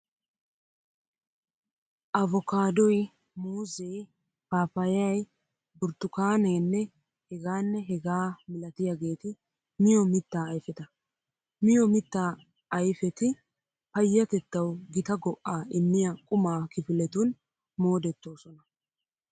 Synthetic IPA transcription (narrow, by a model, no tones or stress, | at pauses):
ʔɐvɔkaːd̪ɔj | muːzej | paːfɐjɐj | bʊɾt̪ːʊkaːneːnːɛ | hɛɡaːnːɛɦɛɡaːmɪlɐt̪ɪjaɡe̞ːt̪ɪ | mɪjɔmɪt̪ːaːjfɛt̪ɐ | mɪjɔmɪt̪ːaː | ɐjfɛt̪ɪ | pɐjːɐt̪ɛt̪ːɐwɡɪt̪ɐɡɔʔːaːʔɪmːɪjɐkʼʊmaːkɪfɪlɛt̪ʊn | mo̞ːd̪ɛt̪ːo̞ːsɔnɐ